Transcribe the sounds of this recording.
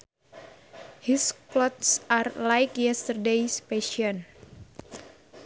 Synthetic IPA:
hisklɔt̪sarlajkjɛstərdejspeʃiɔn

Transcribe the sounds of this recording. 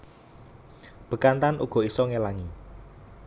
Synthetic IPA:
b̥ə̤kant̪anʔṵɡ̥ɔ̤isɔŋelaŋi

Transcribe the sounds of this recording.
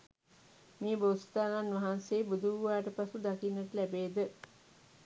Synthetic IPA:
miːbost̪aːnanʋaɦanseːbud̪uʋaːʈəpasud̪akinːəʈəlæbeːd̪ə

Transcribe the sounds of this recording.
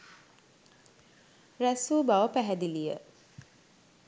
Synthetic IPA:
ræsuːbaʋəpæɦæd̪ilijə̰

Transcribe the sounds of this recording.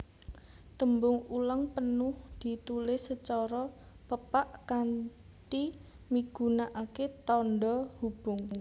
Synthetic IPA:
t̪əmbʊŋulaŋpənʊhd̪̥i̤t̪ulɪsət͡ʃɔɾɔ | pəpaʔkan | ʈi | miɡ̥ṳnaʔaket̪ɔnɖɔhub̥ʊŋ

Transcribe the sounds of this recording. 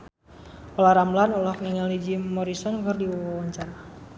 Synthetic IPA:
ɔlaɾamlanɔlɔkniŋalid͡ʒiːɔɾisɔnkərdiwɔwawaɲt͡ʃaɾa

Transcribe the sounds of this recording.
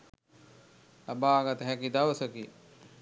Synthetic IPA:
labaːɡat̪əɦækid̪aʋəsəki

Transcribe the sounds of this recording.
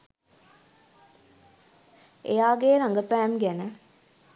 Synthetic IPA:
ejaːɡeːnaŋɡəpæːmɡænə

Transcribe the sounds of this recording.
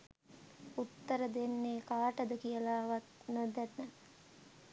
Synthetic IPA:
ut̪ːəɾəd̪enːeːkaːʈəd̪əkijəlaːʋat̪̚nod̪ɛt̪nə

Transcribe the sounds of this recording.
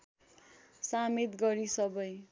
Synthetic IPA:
samit̪ɡʌɾisʌbʌj

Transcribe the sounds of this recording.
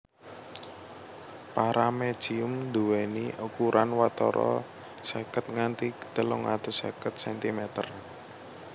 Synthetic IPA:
paɾame̥ʒ̥iʊmd̪uweniʔukuɾʔanwat̪ɔ̰ɾɔ̰ | sekət̪̚ŋant̪ikə̥t̪əlʊŋa̰t̪ʊsḛkət̪̚sɛnt̪imɛt̪ər

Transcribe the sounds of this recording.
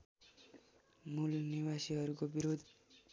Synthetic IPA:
mulniwasiɦʌɾukobiɾod̪ʱ

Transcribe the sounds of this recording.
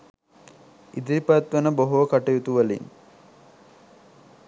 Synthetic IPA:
id̪iɾipat̪ʋənəboɦoʋəkaʈɐjut̪uʋalḭŋ

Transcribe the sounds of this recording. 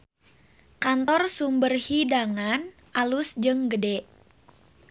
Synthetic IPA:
kant̪ɔrsumbərhidaŋan | ʔalusd͡ʒɨŋɡədɛʔ

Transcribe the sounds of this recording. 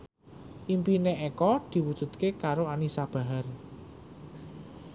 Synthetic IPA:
ʔimpineʔekɔd̪̥i̤wud̥ʒ̥ṳt̪̚kekaɾoanisab̥a̤ɦar

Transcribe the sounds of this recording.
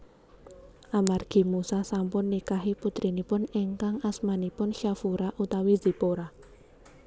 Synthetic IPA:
ʔamarɡ̥i̤musasampʊnːikaɦiput̪ɾinipʊneŋkaŋasmanipʊnʃafuɾaʔut̪awizi̤poɾa

